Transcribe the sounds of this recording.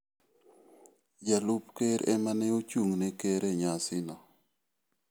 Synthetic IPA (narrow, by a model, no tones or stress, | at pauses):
d͡ʒalupkeɾɛmanɛot͡ʃuŋnɛkeɾɛɲasɪnɔ